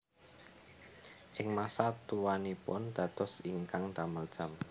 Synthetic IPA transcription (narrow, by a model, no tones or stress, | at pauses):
ʔɪŋmasat̪uwanipʊnd̪̥ä̤t̪ɔsiŋkaŋd̪̥aməld̥ʒ̥a̤m